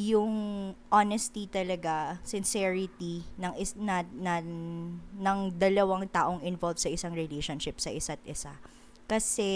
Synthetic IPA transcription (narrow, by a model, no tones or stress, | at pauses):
jʊŋʔonɛst̪it̪ɐlɐɡasɪnsɛɹɪt̪inɐŋɪnɐnɐ | nɐŋd̪ɐlɐwɐŋt̪aːʔo̞ŋɪnvolvsɐʔɪsɐŋɹɛlejʃonʃɪp̚sɐʔɪsat̪̚ʔɪsa̰ | kɐsɛ